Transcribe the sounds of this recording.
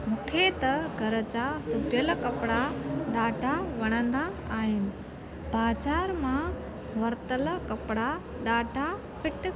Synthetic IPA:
mũːkʰet̪ɐɡʱɐɾət͡ɕasʊbjəlkɐpɽaɗaːɖʱaʋɐɽ̃ə̃nd̪aaːɦɪnɪ̆ | baːt͡ɕaːɾmã | ʋɐɾt̪əlkɐpɪɽa | ɗaːɖʱa | fɪʈ

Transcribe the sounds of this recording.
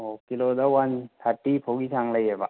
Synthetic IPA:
okilod̪awant̪ʰaɾʈːipʰoɡisaŋlajɦeba

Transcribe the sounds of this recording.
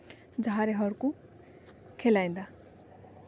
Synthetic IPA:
d͡zaɾeɦʌɾuko | kʰelaj̃nd̪a

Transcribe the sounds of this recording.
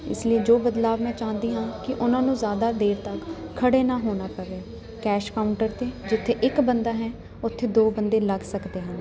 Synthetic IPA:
ɪ̰slieːd͡ʒoːbəd̪laːʋmɛ̃ːt͡ʃãːnd̪iːɦãːkɪʔʊnãːnũːzjaːd̪aːd̪eːɾt̪əkkʰːəɽeːnaːɦoːnaːpəʋeː | kɛːʃkaːʊɳʈəɾt̪eːd͡ʒɪt̪ʰːeːʔɪkbənd̪aːɦɛ̃ː | ʊt̪ʰːeːd̪oːbənd̪eːləɡsəkd̪eːɦə̃n

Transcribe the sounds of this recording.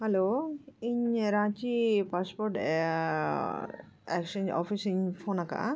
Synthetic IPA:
hɐloiɲɾãt͡ʃipaspoɾʈ | ɛ̰kʃɐnɔ̰fʰisiɲpʰonaka̰

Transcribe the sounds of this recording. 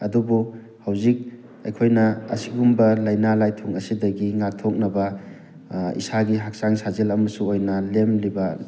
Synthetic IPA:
ɐdubu | hawzik̚ | ejkʰojnɐɐ̰siɡumbɐlɐjnalajtʰoŋɐsidɐɡiŋatʰok̚nɐbɐ | ḭsaɡiɦak̚saŋsazelɐmɐsuojnɐlemlibɐ

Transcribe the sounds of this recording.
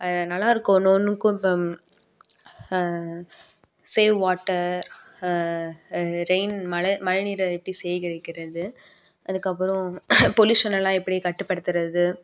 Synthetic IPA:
ɐðɐnɐlːaːɪɾɯkːnoːnːɯkːʊ̃pː | seːʋʋaːʈːɐɾ | ɾeɪnmɐɻɐmɐɻɐniːɾɐɛpːɐɽisɛjkɪɽɐɪkːɪɾɐðɯ | ʔɐðɯkːɐpːɯɾɔ̃pɔluːʂɐnɛlːãːɪpːɐɽikɐʈːɯpːɐɽɯt̪ːɪɾɐðɯ

